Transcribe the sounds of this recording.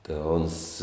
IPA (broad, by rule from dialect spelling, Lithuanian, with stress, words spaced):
tʲeː ˈoːns